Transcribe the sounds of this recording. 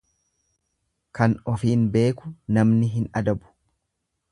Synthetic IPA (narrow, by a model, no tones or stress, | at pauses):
kɐnɔfiːnbe̞ːkʊnɐmnɪɦɪnɐd̪ɐbʊ̥